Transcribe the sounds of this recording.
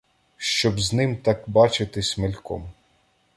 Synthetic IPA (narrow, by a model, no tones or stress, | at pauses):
ʃt͡ʃɔbznɪmt̪ɑkbɑt͡ʃɪt̪ɪsʲmelʲkɔ̰m